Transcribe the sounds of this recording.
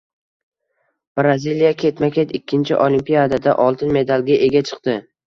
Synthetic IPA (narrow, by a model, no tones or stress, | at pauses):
b̥ɾazʲilijakʲʰe̞t̪makʲet̪ɪkʲːɪnt͡ʃʰɪʔolimpijad̪ad̪aʔɒlˠt̪ʰɪnme̞d̪alˠɡʲaʔe̞ɡʲat͡ʃʰɨ̥qt̪ɪ